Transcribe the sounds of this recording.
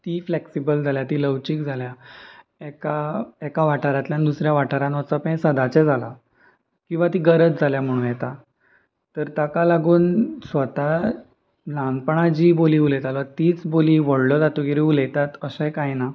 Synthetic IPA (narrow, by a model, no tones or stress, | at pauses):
t̪iːfleksibəld͡zʱaljat̪iːləwt͡ɕiːkd͡zʱalja | ɛkaɛkaʋaʈʰaɾat̪ljanid̪usɾjaʋaʈʰaɾãnʋat͡səpsəd̪at͡sɛd͡zʱala̰ | kĩw̃ʋat̪iːɡəɾət͡sd͡zʱaljam̤əɽ̃ũnjɛt̪a | t̪əɾt̪akalaɡuːnsʋət̪a | nãnpəɳ̃ad͡ʑiːboliːulɛt̪alət̪iːt͡sboliːʋəɽlɔd͡zat̪uɡiɾiulɛt̪at̪əsəjkajna